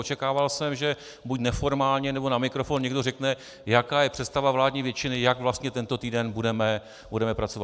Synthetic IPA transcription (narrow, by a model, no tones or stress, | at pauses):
ot͡ʃɛkaːvalsɛmʒɛ | bucnɛfo̞ɾmaːlɲɛnɛbo̞namɪkɾo̞fo̞nɲɛɡdo̞rɛknɛ | jakaːjɛpr̥ɛst̪avavlaːdɲiːvjɛt͡ʃɪnɪjaɡvlast̪ɲɛt̪ɛnt̪o̞t̪iːdɛnbudɛmɛ | budɛmɛpɾat͡so̞vat̪